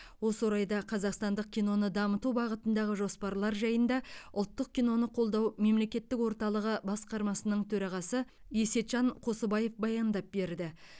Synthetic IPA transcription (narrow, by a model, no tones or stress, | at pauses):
wo̞səwoɾɑjd̪ɑqʰɑzɑqst̪ɑnd̪əq̚kʲʰijno̞nəd̪ɑmət̪ubɑʁət̪ənd̪ɑʁəʒo̞spɑɾlˠɑɾʒɑjənd̪ɑʊlˠt̪ːəq̚kʲijno̞nəqʰo̞lˠd̪ɑwme̞mle̞kʲe̞t̪ːɪkwo̞ɾt̪ɑlˠəʁəbɑsqɑɾmɑsənəɴt̪ʰɵɾɑʁɑsə | je̞se̞t̪ʒɑɴqʰo̞səbɑje̞fbɑjɑnd̪ɑp̚be̞ɾd̪ɪ